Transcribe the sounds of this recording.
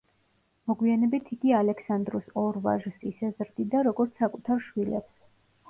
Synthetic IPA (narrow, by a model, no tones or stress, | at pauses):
mɔɡwianɛbit̪ʰiɡialɛkʰsand̪ɾusɔɾva̰ʒsisɛzɾd̪id̪aɾɔɡɔɾt̪sʰakʼut̪ʰaɾʃwilɛ̰ps